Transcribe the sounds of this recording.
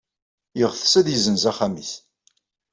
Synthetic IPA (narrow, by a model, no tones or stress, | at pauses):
jəʁθsæðjəzənzæχamiθ